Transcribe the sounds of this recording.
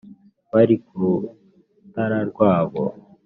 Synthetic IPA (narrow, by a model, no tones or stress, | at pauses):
βaɾiku | t̪aɾaɾɡwaːβo̰